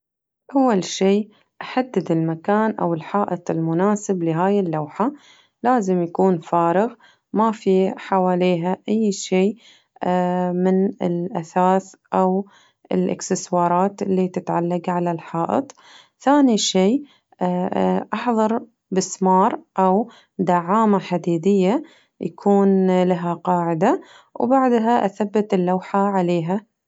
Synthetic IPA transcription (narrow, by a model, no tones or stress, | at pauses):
ʔawːalʃiː | ʔaħad̪ːɪd̪ɪlmakaːnʔa̰wɪlħɑːʔɨt̪ˤɪlmʊnaːsɪblɪɦaːjɪlːawħa | laːzɪmjakuːnfaːɾɪɣ | mafiħawaːleːɦaʔajːʃiː | mɪnɪlʔasaːθʔaw | ʔɪ̰lʔɪ̰ksɪswɑːɾˤɑːt̪ɪlːit̪ɪt̪ʕalːaɡʕalalħɑːʔɪ̰t̪ˤ | θaːniʃeː | ʔɑħðˤɑɾˤ | bɪsmɑːɾˤʔaw | d̪aʕaːmaħad̪iːd̪ɪjːa | ja̰kʰuːnlaɦaqɑːʕɪd̪a | wbaʕd̪ɦaʔaθabːat̪ɪlːawħaʕaleːɦa